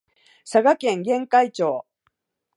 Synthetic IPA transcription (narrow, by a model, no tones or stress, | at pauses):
saɡakẽ̞ŋɡẽ̞ŋkait͡ɕo̞ː